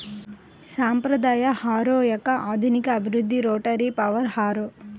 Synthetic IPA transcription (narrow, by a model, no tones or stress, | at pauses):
saːmpɾɐd̪aːjɐhaːɾoːjɐkɐʔaːd̪ʱunikɐːbʱiɾud̪ʱːiɾoːʈɐɾipɐʋɐɾhaːɾoː